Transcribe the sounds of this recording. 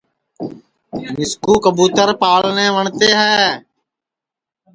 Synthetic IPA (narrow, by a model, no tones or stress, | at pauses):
mɪskuːkəbuːt̪əɾpaːlnẽːʋəɳt̪eːɦɛː